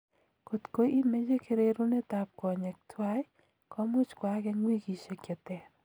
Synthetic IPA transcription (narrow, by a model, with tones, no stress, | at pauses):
ko˨t̪ko˦i˦me˦d͡ʒe˦kʰe˦ɾe˦ɾu˦ne˦t̪a˨p̚kɔ˨ɲɛ˨k̚tʰwa˦j | kɔ˦mʊ˦t͡ʃkwa˨ɡɛ˦ŋwi˦ɡi˨t͡ʃe˨kɛ˨t̪ɛ˨